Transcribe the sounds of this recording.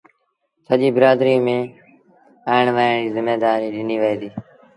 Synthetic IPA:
səʄiːbəɾaːd̪ɾiːmẽː | aːɪɳʋaːɳiːzɪmːeːd̪aːɾiːɗɪniːʋəeːd̪iː

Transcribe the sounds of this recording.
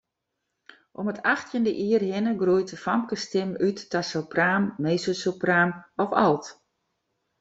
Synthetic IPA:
ʔɔmətʰaxtʰjəndəʔiərhɪnəɡrujtəfamkəstɪmytːasopraːmːeːsosopraːmɔfalˠt

